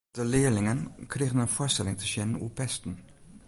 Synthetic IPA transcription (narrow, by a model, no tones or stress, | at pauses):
d̥əlɪːəlɪŋənkrejɣənənfoːstɛlɪŋtəʃɛnənṵpɛstən̩